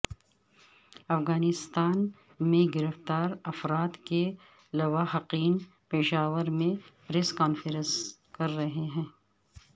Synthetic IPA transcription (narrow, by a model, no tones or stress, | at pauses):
ɐfɣaːnɪst̪aːn | mẽɡɪɾəft̪aːɾɐfɾaːt̪ke | lɐʋaːɦɐqiːn | peːʃaːʋəɾmẽpɾeːskaːnfəɾə̃s | kɐɾːɐɦeɦɛ̃ː